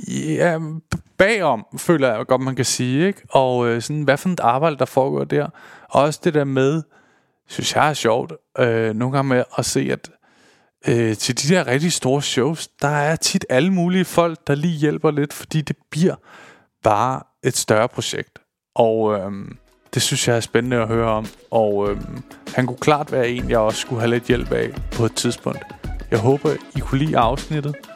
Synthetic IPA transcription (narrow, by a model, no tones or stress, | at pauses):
æ̥b̥ɛ̰ːɒ̽m̰fø̰ːlɐjɑɡ̥ɒ̽d̥mænkʰæsiːeɡ̥ɒ̽øsɒ̽nʋæfɒ̽mid̥ɑ̈ːb̥ɑ̈ɪd̥əd̥ɑ̈fɒːɡ̥ɒ̰ɐ̰d̥æɐ̰ɒ̽ɒ̽səd̥e̝d̥æɐ̰með̞ˠ | synsjɑ̈ɪæɐɕɒʊ̰d̥ʔøno̝ːn̩ɡ̥ɑ̈ŋmeʔɒ̽se̝̰ːæd̥ | øt͡sʰe̝ld̥id̥æɐ̰ʁɛɡ̥̚d̥isd̥o̝ːɐɕɔʊsd̥ɑ̈æɐt͡sʰid̥æləmuːliəfɒ̽l̰ɡ̥̚d̥ɑ̈lḭːjel̰b̥ɐle̝d̥fɒ̥d̥ḭːd̥e̝b̥liɐ̰ | b̥ɑ̈ː | e̝d̥sd̥ɶɐpʰʁo̝ɕeɡ̥̚d̥ | ʔɒø | d̥e̝synsjɑ̈ɪæɐsb̥ennəɒɦøːɐɒ̽m̰ʔɒømhænkʰukʰlɑ̰̈ːd̥ʋæːɐe̝̰njɑ̈ɪɒsːɡ̥uɦæled̥ˠjel̰b̥ɛ̰ɪpʰɒ̽ed̥̚t͡sʰið̞ˠsb̥ɔ̽ŋ̰d̥jɑ̈ɪɦɔ̽ːb̥ɐikʰulḭːɑ̈ʊsnid̥ð̩ˠ